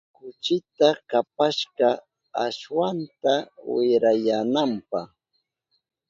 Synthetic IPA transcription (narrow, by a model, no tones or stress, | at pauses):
kʊt͡ʃɪt̪akapaʃɢɑ | aʃwant̪awɪɾajanampɑχ